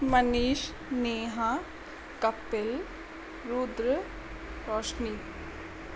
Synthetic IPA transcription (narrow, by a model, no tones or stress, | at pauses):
məniːʃ | neːɦã | kɐpːɪl | ɾuːd̪ɾə | ɾɔːʃniː